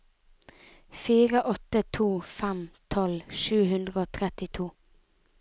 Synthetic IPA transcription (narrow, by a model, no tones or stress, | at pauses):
fiːʁəʔɔt̪ət̪ʰuːfæmt̪ʰɔlʃʉːhʉnd̪ʁəoːt̪ʰʁɛt̪ɪt̪ʰuː